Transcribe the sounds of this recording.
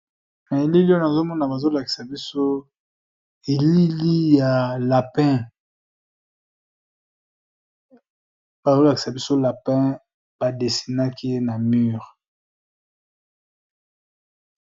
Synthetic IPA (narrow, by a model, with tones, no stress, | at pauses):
na˨e˨li˦li˦o˦na˨zo˦mɔ˦na˨ba˨zo˦la˨ki̥˨sa˨bi˦so˦ | e˨li˦li˦ja˨la˨pɛ̃˦ | ba˨zo˦la˨ki˨sa˨bi˦so˦la˨pɛ̃˦ | b̥a˨de˨si˨na˦ki˦je˦na˨my˦ʁ